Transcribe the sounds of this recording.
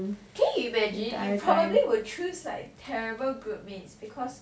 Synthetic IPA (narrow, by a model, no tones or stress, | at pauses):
kʰɛ̃njuimɛd͡ʒɪ̃nipʰɹɔbəbliwət͡ʃʰusla̰ɪk̚tʰɛɹibəlɡɹut̚mĩnsbikʰɔs